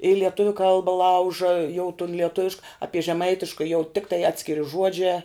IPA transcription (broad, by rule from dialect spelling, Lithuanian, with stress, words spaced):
ɪ lʲiɛˈtʊʋʲʊ ˈkɐlˠbɐ ˈlˠɐʊʒɐ jɛʊ tʊn lʲiɛˈtʊʋʲɪʃk ˈɑːpʲiɛ ʒʲɛˈmɐɪtʲɪʃkɐ jɛʊ ˈtʲɪktɐɪ ˈɑːtʲsʲkʲɪrʲɪ ˈʒuɔd͡ʒʲæː